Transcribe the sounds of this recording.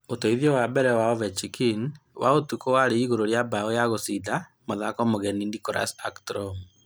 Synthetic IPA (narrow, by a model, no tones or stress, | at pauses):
otoiðiɔwabɛɾɛwaɔvɛt͡ʃikinwʔaotukowaɾeiɣoɾoɾjabaɔjaɣosida | moðakɔmoɣɛnindikɔɾa̰sa̰ktɾɔm